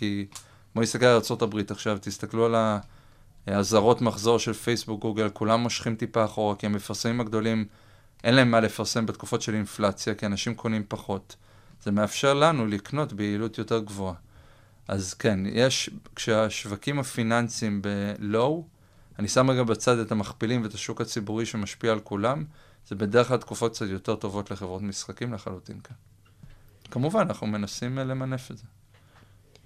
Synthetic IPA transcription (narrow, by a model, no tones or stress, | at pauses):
ki | moist̪akealaʁt͡so̞tabʁitaχʃavtist̪akluala | azaʁo̞tmaχzo̞ʁʃe̞lfejsbuk̚ɡuɡelkulamːo̞ʃχimtipaːχo̞ʁakiemefaʁsemimaɡdo̞lim | ʔe̞nlae̞mːale̞faʁse̞mbetku̥fo̞tʃe̞linflat͡sjakianaʃimkʰo̞nimpaχo̞t | z̥e̞me̞afʃe̞ʁlanulikno̞tbeiːlutjo̞te̞ʁɡvo̞a | ʔazke̞njʔeʃkʃeaʃvakimhafinansimbe̞lo̞w | anisamʁeɡabat͡sade̞tamaχpilimveetaʃukhat͡sibuʁiʃemaʃpiaːlkulam | z̥e̞be̞deʁχlatkufot̚kt͡satjo̞te̞ʁto̞vo̞tle̞χevʁo̞tmisχakimleχalutḭnkan | kamuvananaχnume̞nasimle̞mane̞fetze